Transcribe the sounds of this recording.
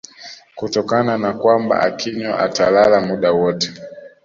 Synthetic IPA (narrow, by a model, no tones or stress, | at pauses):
kutɔkananakwamba̰ʔa̰kʰiɲaʔa̰talalamuɗawɔtɛ̥